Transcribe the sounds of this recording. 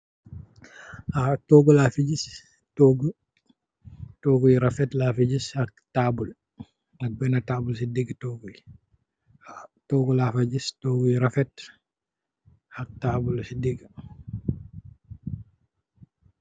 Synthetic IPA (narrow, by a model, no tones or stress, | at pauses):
ʔatɔɡɔlafid͡ʒis | tɔɡ | tɔɡujiɾafɛtlafid͡ʒishak̚tabul | nak̚bɛnataːbulsidiɡtɔɡuli | atɔɡɔlafad͡ʒistɔːɡujiɾafɛt | hak̚tabulsidiɡ